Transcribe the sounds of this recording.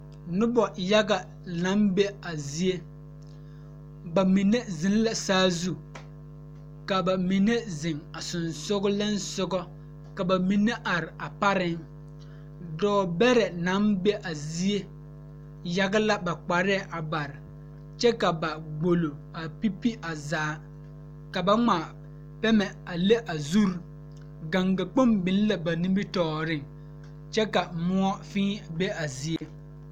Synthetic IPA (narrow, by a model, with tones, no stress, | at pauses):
nʊ˦bɔ˨ja˦ɡa˨ | na˦mbe˦a˨zi˦e˦ | ba˨mi˨ne˦zɪ˨˦n˦la˦saː˦zu˦ | ka˨ba˨mi˨ne˦zɪ˨ŋa˨sʊ˨nsʊ˦ɡʊ˦lɛ˦n˦sʊ˦ɡɔ˦ | ka˨ba˨mi˨nːe˦ʔa˨ɾɪ˨a˨pa˦ɾɪ˦ŋ | dɔː˦bɛ˦ɾɛ˨na˨˦nbe˦ʔa˨zi˦e˦ | ja˦ɡa˦la˦ba˨k͡pa˨ɾɛ˦˨ʔa˨ba˨ɾɪ˨ | t͡ʃɛ˦ka˨ba˨ɡ͡bo˨lo˨ | a˨pi˦pi˦ʔa˨zaː˨˦ | ka˨ba˦ŋa˨ | pɛ˦mɛ˨ | a˨le˦ʔa˨zu˦ɾ | ɡa˨ŋɡa˨k͡po˦mbɪ˨n˦la˨ba˨nĩ˦mbi˦tɔː˨ɾɪ˦ŋ | t͡ʃɛ˦ka˨mʊ˦ɔ˦fĩː˦be˦a˨zi˦e˦